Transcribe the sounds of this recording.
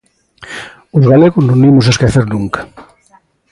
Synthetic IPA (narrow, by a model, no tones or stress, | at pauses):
ʊzɣaleɣʊznõnimʊs̬aeskeθeɾnuŋkḁ